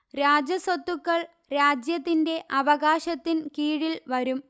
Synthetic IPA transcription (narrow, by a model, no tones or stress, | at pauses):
ɾaːd͡ʑɐsɐt̪ːukːɐɭ | ɾaːd͡ʑjɐt̪ːinde̞ʔɐʋɐɣaːɕɐt̪ːinkiːɻilʋɐɾum